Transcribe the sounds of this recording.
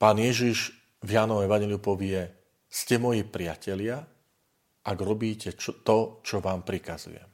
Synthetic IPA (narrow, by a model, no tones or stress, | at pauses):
paːnɪjɛʒiʒ | vjaːnɔɛʋaɲjɛliupɔʋɪɛ | scɛmɔjipɾɪacɛlɪa | ʔaɡɾɔbiːcɛt̪ɔt͡ʃɔʋaːmpɾikazṵjɛ̰m